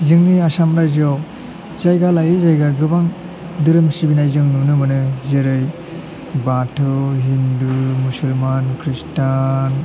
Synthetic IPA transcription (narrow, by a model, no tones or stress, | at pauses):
zɯŋniasamɾajzaw | zajɡalajɯzajɡaɡɯbaŋ | dɯɾɯmsibinajzɯŋnunɯmɯnɯzeɾɯj | batʰɯɦindumusɯlmankʰɾistan